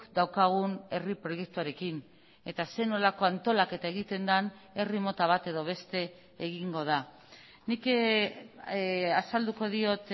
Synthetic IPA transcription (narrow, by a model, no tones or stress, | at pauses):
d̪awkaɣ̞une̞ripɾo̞je̞k̚t̪uaɾe̞kin | e̞t̪ase̞no̞lako̞ant̪o̞lake̞t̪ae̞ɣ̞it̪e̞nd̪ane̞rimo̞t̪aβ̞at̪e̞ðoβ̞e̞st̪e̞ː | ɣ̞iŋɡo̞ða | nik | asald̪uko̞ðio̞t̪